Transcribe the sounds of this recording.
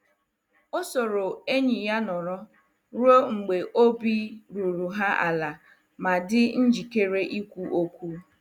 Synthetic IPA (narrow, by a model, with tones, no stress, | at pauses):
ʊ˦so˨ɾo˨e˦ɲi˨ja˦nɔ˨ɾɔ˦ | ɾu˦o˦ŋ͡m̩˨ɡ͡be˨ʔo˦bi˦ɾu˨ɾu˨ɦa˦a̰˨la˨ | ma˨dɪ˦n̩˦d͡ʒi˨ke˦ɾe˦ʔi˦kʷu˦ʔo˦kʷu˦